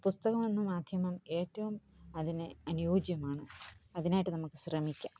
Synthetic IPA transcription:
pust̪ɐɣɐmenːumaːd̪ʱjɐmɐme̞ːʈːɐʋumɐðinɨɐnujoːd͡ʑjɐmaːɳɨɐðinaːjiʈːɨnɐmukːɨɕrɐmikʲːaːm

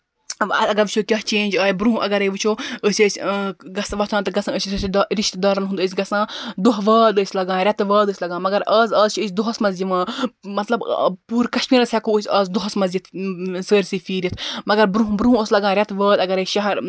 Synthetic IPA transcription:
ɐɐɡɐɾʋit͡ʃʰoːkʲɐɦt͡ʃẽːnʲd͡ʒaːjbɾuɦũʔɐ̰ɡɐɾəjʋɨt͡ʃʰoːəsʲəːsʲɡɐsʋɐt̪ʰãːt̪ɐɡɐsãːəsʲɾʃɾiʃt̪d̪aːɾɐnɦũnd̪əs̬ʲɡɐsãːd̪oɦʋəːd̪əːsʲlɐɡãːɾʲɐt̪ʋəːd̪əːsʲlɐɡãːmɐɡɐɾɐːzəːzt͡ʃʰəsʲd̪oɦɐsmɐziʋãːmɐt̪lɐbpuːɾkɐʃmiːɾɐsʲɛkoːəsʲɐːzd̪uɦɐsmɐzit̪ʰsəːɾʲsifiːɾit̪ʰmɐɡɐɾbɾuɦũbɾuɦũoːslɐɡãːɾʲɐt̪ʋəːd̪ɐɡɐɾeʃɐɦɐɾ

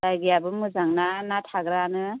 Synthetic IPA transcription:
dajɡijabɯmɯzaŋnanatʰaɡɾanɯ

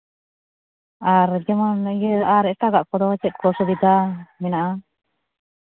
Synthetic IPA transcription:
aɾd͡ʒɛmanjaɾɛʈaɡaʔkɔd̪ɔat͡ʃɛt̪̚kɔsɔbid̪amɛnaʔa

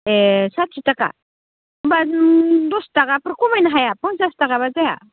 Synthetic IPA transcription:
esatsʰitaka̰ | badɔstakapɯɾkɔmajnaɦajapɔnsastakabad͡zaja̰

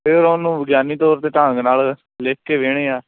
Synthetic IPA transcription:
pʰɪɾonũːʋəɡjaːniːt̪ɔːɾt̪eːt̪ãːŋɡnaːl | leːkːeːʋeːɽ̃eːaː

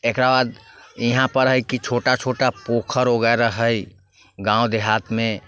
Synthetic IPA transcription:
ekɾabaːd̪iɦãpəɾɦəjkit͡ʃʰoːʈat͡ʃʰoːʈapokʰəɾoɡɛɾaɦəj | ɡãːwd̪eɦaːt̪ʰmẽ

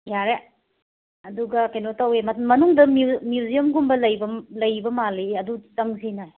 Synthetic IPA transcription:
jaɾe | ɐduɡɐkenotɐwemɐmɐnuŋdɐmmjuziɐmɡumbɐlɐjbɐlɐjbɐmaliɐdutɐŋsinaj

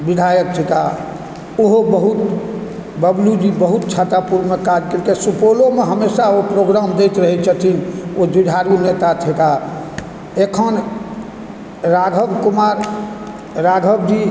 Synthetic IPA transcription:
bid̪ʱajək̚t̪ʰik̪a | oɦobəɦut̪ | bəblud͡ʒibəɦut̪̚t͡ʃʰat̪apuɾmekad͡ʒkəɾkesupolomeɦəmesaopɾoɡɾamd̪ejt̪ɾəɦɛt͡ʃʰət̪ʰiod͡ʒiɖ̪ʱaɾunet̪at̪ʰik̪a | ekʰən | ɾaɡʱəbkumaɾ | ɾaɡʱəbd͡ʒi

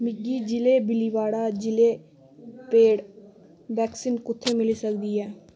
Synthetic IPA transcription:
mɪɡiːd͡ʒɪleːbɪliːʋaːɽaːd͡ʒɪleː | peːɽ | ʋɛːksiːnkʊt̪ʰːeːmɪliːsəkd̪iːɛː

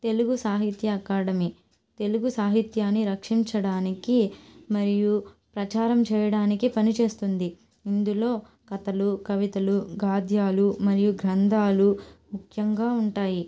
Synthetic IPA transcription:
t̪e̞luɡusaːɦit̪jɐkaːɽɐmi | t̪e̞luɡusaːɦit̪jaːnːiɾɐkʂiɲt͡ʃɐɽaːnikimɐɾiju | pɾɐt͡ʃaːɾɐmt͡ʃɛːjɐɽaːnikipɐnit͡ʃe̞ːst̪und̪i | ind̪ulo̞ː | kɐt̪ɐlukɐʋit̪ɐluɡaːd̪ʱjaːlumɐɾijuɡɾɐnd̪ʱaːlumukʰjɐŋɡaːuɳʈaːji

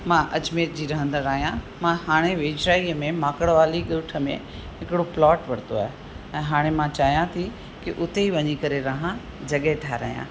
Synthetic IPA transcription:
mãʔɐt͡ɕmeːt̪̚d͡ʑiːɾɐɦə̃nd̪əɾaːɦijã | mãɦaːɽ̃eʋeːd͡ʑɾaːiːəmẽmaːkəɽʋaːliɠɪʋʈʰəmḛ̃ | ɦɪkɪɽoplɔːʈʋɐɾt̪oaːɦe | ɛ̃ːɦaːɽ̃emãt͡ɕaːɦijãt̪ʰi | kɪʔʊt̪eiʋɐɲikɐɾeɾɐɦã | d͡ʑɐɠɦet̪ʰaːɾɐ̰ɦijã̰ː

